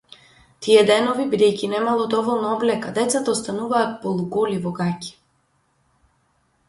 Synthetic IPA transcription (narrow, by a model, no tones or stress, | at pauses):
t̪ijɛd̪ɛnɔvibid̪ɛjcinɛmalˠɔd̪ɔvɔlˠnaɔblɛkad̪ɛt̪sat̪aɔst̪anuvaːt̪̚pɔlˠuɡɔlivɔɡaci̥